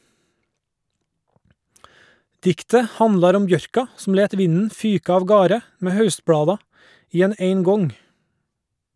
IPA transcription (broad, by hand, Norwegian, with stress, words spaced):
ˈdɪktə ˈhɑnlɑɾ ˈɔm ˈbjœɾkɑ sm̩ ˈleːt ˈʋɪnn̩ ˈfyːkɑ ɑʋˈɡɑːɾə ˈmeː ˈhɑʉstˌblɑːdɑ ˈiː ˈɛn ə ˈeɪŋˌɡɔŋ